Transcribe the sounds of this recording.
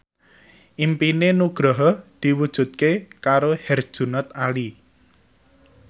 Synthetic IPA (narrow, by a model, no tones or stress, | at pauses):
ʔimpinenuɡ̥ɾɔɦɔd̪̥i̤wud̥ʒ̥ṳt̪̚kekaɾohɛrd̥ʒ̥ṳnɔt̪ali